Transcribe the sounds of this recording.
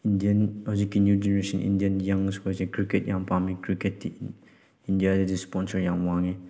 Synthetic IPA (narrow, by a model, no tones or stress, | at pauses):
indiɐnɔzikːinjud͡ʒɛnɾesɔnʔḭndijɐnjaŋskɔzikɾikɛt̚jaŋpamikɾikɛt̚di | indijadidispɔnsəɾjaŋwaŋi